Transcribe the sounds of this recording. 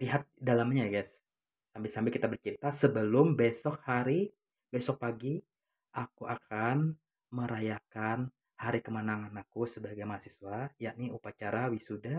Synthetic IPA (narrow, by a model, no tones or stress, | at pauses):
liɦat̪̚dalamɲajaɡasː | ambɪlsambɪlkit̪abərt͡ʃiɾit̪asəbəlʊmbesɔk̚haɾi | besɔk̚paɡi | ʔakuʔakʰan | məɾajakan | haɾikəmənaŋanakusəbaɡajmaɦasisuajaʔ̚niupat͡ʃaɾawisuda